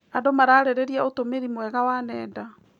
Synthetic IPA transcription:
andomaɾaːɾɛɾɛɾiaotomeɾimwɛɣawaːnɛːda

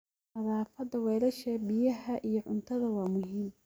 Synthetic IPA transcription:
ɐðaːfɐd̪ɐwɛːlɐʃɐbɪjɐɦɐʔijɞʕʊ̰nt̪ʰɐðɐwɑːmʊɦiːm

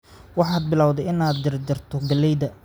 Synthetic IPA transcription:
wɑħɑːd̪̚bɪlaːwd̪ɛjɪnaːd̪d͡ʒɪrd͡ʒɪrt̪ʰɔɡɐlɛjd̪ɐ

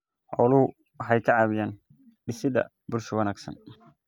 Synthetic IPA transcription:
ʔɔːlʊhʊ | wɑħɑjkʰɐʕɑːβɪjaːn | ɖɪsɪðɐ̰ | bʊrʃwɑnaːɡsɐ̰n

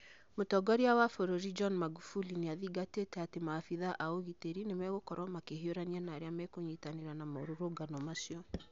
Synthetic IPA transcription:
motɔɡɔɾiawafoɾoɾid͡ʒɔnmaɡufulineaðiɡatetɛatemaːfiðaʔaoɣiteɾinemɛɣokɔɾɔmakehioɾanianaːɾeamɛkoɲitaneɾanamaoɾoɾoɡanɔmasiɔ

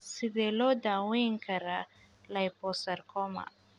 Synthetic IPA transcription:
siðɛlɔd̪awiŋkʰaɾa | lajpɔsaɾkɔma̰

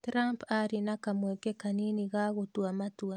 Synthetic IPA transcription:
tɾampaɾinakamwekekaniniɣaɣotwamatua

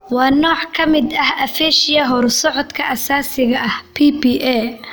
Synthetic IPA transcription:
wɑːnɔːʕkʰɐmɪd̪ɐhɐfɛːʃɪjɐɦɔrsɔʕɔd̪kʰɐʔɐsaːsɪɣɐʔɐhpʰiːpiːʔɛː

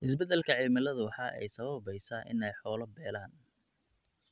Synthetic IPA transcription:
ʔɪs̬bɛd̪ɛlkʰɐʕɪlmɪlɐðʊwɑħɑʔɛ̰jsɐβɐβɛjsɐʔɪ̰nɛjħɔːlɐbɛːlaːn

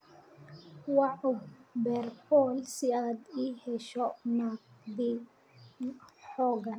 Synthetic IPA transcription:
wɑʕʊbɛrbɔːlsɪaːd̪iːhɛʃɔnad̪i | ħɔːɡɐn

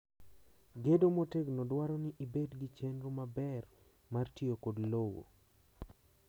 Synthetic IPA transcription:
ɡedomoteɡnodwaɾɔnɪʔibedɡit͡ʃenɾomabɛr | martiokodlowo̰

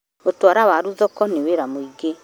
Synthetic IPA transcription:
otwaɾawaɾuðɔkɔneweɾamoiɡe

